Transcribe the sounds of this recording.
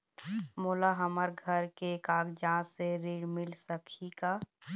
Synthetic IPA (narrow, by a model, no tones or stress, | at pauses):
moːlaɦəməɾɡʱəɾkekaːɡd͡ʒãːseɾiɽmɪlsəkʰika